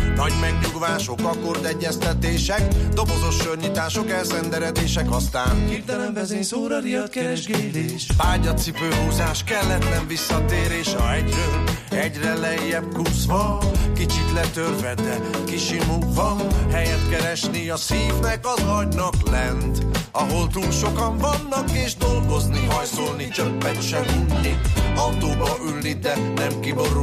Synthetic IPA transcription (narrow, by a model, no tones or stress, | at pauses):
nɒɟmɛɡɲuɡʋaːʃo̞kɒkord̪ɛɟːɛst̪ɛt̪eːʃɛkd̪o̞bozo̞ʃørɲit̪aːʃo̞kɛlsɛnd̪ɛɾɛd̪eːʃɛkɒst̪a̰ːn | ɛʃpaːɟɒt̪sipøːɦuːzaːʃkɛlːɛt̪nɛɱvisːɒt̪eːɾeːʃɒɛɟɾøɛɟrɛlɛjːɛp̚kuːsvɒkit͡ʃit̪lɛt̪ørvɛd̪ɛ | kiʃimuɡvɒnhɛjɛt̪kɛɾɛʃniɒsiːvnɛkɒzɒɟnɒklɛnt̪ɒɦo̞lt̪ulʃo̞kɒɱvɒnːɒkeːʒd̪o̞lɡo̞zniɦɒjso̞lnit͡ʃøpːɛnʃɛnulniɒwt̪oːbɒʔylnid̪ɛnɛmkibo̞ɾu